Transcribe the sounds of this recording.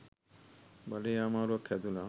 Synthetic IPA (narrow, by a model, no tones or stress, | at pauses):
baleamaɾokʰɛd̪ula